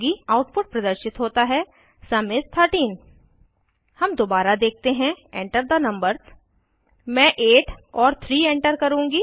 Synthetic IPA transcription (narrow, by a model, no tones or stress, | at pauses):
ɡiaʊʈpʊʈ̚pɾɐd̪əɾʃɪt̪ɦoːt̪aɦɛ | sɐmɪtt̪ʰəɾʈiːn | hɐmd̪oːbaːɾad̪eːk̚ʰt̪eɦɛ̃ẽːɳʈəɾd̪ənɐ̃mbəɾz | mɛ̃ːʔeːʈʰɔːɾt̪ʰɾiːɛ̃ːɳʈəɾkɐɾũːŋɡiː